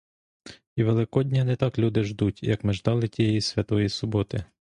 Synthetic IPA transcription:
iʋelˠɪkɔdʲnʲanɛt̪ɑklʲud̪ɪʒd̪utʲjɐkmɪʒd̪ɑlˠɪtʲijejisʲʋʲɐt̪ɔjisʊbɔt̪ɪ

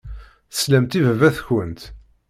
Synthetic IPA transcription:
θə̥slæmt̪ivəvæθçənt̪

